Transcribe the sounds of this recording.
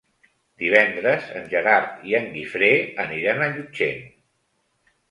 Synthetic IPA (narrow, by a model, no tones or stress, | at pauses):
d̪̥iβ̞ɛnd̪ɾəzə̰nʲʒəɾaɾt̪iəŋɡifɾeəniɾanəʎud͡ʒḛn